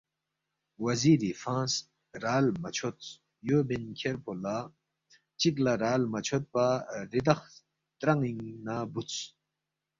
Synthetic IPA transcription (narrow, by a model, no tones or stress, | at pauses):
wɐziːɾifãːns | ɾaːlmɐt͡ɕʰot͡s | jobenkʲʰeɾpʰola | t͡ɕik̬laɾaːlmɐt͡ɕʰot̪̚paɾid̪ɐx | t̪ɾɐŋiŋnabut͡s